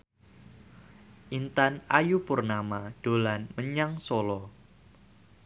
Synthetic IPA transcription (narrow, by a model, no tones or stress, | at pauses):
ʔint̪anajupʊrnamaɖ̥o̤lanməɲaŋsolɔ